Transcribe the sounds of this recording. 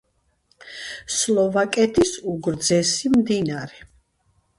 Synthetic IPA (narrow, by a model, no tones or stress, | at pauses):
slˠɔvakʼɛt̪ʰisuɡɾd̪zɛsimd̪inaɾɛ